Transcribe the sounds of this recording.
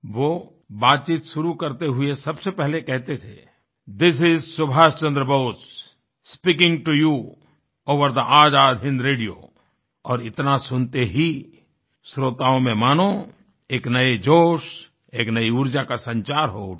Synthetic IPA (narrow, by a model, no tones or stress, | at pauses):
ʋoː | baːt̪̚t͡ʃiːt̪ʃʊɾukɐɾt̪eɦʊesɐbsepɛɦlekɛɦt̪et̪ʰeː | d̪ɪs̬ɪzsʊbʱaːst͡ʃɐ̃nd̪ɾəboʊt͡ʃ | spiːkɪ̃ŋʈuju | oːʋəɾd̪əʔaːd͡ʒaːd̪ʱɪ̃nɾeːɖijo̰ː | ɔːɾɪt̪nasʊnt̪eɦi | sɾoːt̪aːõmẽmaːnõ | eːknɐed͡ʒoːʃ | eːknɐiʊɾd͡ʒakasɐ̃ɲt͡ʃaːɾɦoː